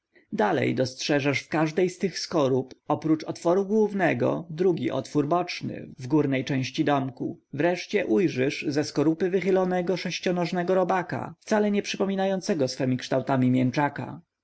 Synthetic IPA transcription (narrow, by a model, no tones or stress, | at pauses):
d̪alɛ̰jd̪ɔstʂɛʐaʂfkaʐd̪ɛjst̪ɘxskɔɾupɔpɾut͡ʂɔt̪fɔɾuɡwuvnɛɡɔ̰d̪ɾuɡʲḭʔɔ̰t̪fuɾbɔt͡ʂnɘ̰vɡuɾnɛjt͡ʂɛ̃w̃ɕt͡ɕid̪ɔmkṵvɾɛʂt͡ɕɛʔujʐɘʂzɛskɔɾupɘvɘxɘlɔnɛɡɔʂɛɕt͡ɕɔnɔʐnɛɡɔɾɔbaka̰ft̪salɛɲɛpʂɘpɔmʲinajɔnt̪sɛɡɔsfɛmʲikʂt̪awt̪amʲimʲjɛnt͡ʂaka̰